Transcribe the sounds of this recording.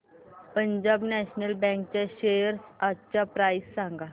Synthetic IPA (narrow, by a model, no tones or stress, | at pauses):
pəɲd͡ʑabnɛɕnəlbɛ̃ŋk̚t͡ɕaɕejəɾsat͡ɕapɾajsːãŋɡa